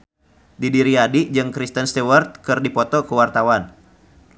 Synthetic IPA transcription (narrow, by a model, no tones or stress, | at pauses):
didiɾiadid͡ʒɨŋkɾist̪ənst̪ɛwart̪̚kɨrdipɔt̪ɔkuwart̪awan